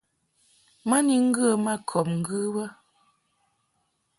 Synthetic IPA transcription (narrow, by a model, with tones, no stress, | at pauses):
ma˦ni˨ŋ̩˦ɡɰə˦˨ma˦kʰɔ˨p̚ŋ̩˦ɡɨ˦wə˦